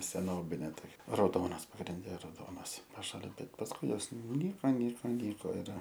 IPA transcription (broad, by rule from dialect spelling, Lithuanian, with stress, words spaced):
sʲɛˈnoːbʲɪnʲeː toːˈkʲɛ rɐʊˈdoːnɐs pɐɡrʲɪnʲˈdʲɛ rɐʊˈdoːnɐs pɐˈʃɑːlʲɪn ˈbʲɛt pɐsˈkʊɪ ˈjoːs nʊˈnʲiːkoː ˈnʲiːkoː ˈnʲiːkoː ɪr